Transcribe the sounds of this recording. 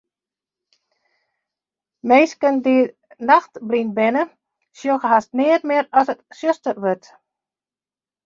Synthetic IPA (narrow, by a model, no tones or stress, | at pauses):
mejskəndi | naxtblinbɪnə | sjoxəɦastnɪətmɪəɾɔsətsjøstərʋøt